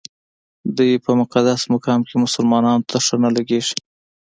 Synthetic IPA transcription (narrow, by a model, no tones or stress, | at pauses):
d̪ujpəmʊqad̪asmʊkɑmkemʊsʊlmɑnɑnot̪ʰaʂənalaɡeʐi̥